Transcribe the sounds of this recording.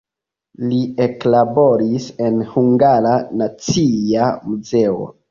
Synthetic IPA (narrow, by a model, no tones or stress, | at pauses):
lie̞klabo̞ɾise̞nhuŋɡaɾanat͡siamuze̞o̞̰